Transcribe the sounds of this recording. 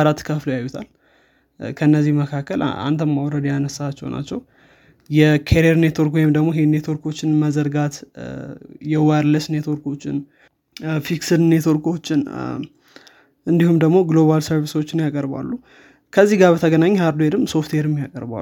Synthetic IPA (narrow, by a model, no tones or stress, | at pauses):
ɾat̪kʰəflojajːut̪ʰal | kʰənːəzːihməkʰakːəl̰a̰nt̪ʰəmːawɾəd̪janəsːat͡ʃːɛ̰wna̰t͡ʃːɛw | jɛkʰeɾeɾne̞t̪ʰoɾkwojɪmd̪əɡmohɦenːet̪ʰo̞ɾko̞t͡ʃːɪnməzəɾɡat̪ | jɛwaɾləsne̞t̪ʰo̞ɾko̞t͡ʃːɪ̰n | fiksɨd̪ne̞t̪ʰo̞ɾko̞t͡ʃːɪn | ʔɨnd̪ihumd̪əɡmo̞ɡlo̞βalsəɾβiswot͡ʃːɪnjakʼəɾba̰lːu | kʰəzːihɡaβbət̪ʰəɡənaɲːhaɾd̪oeɾɨmso̞ft̪ʰweɾɨmjakʼəɾba̰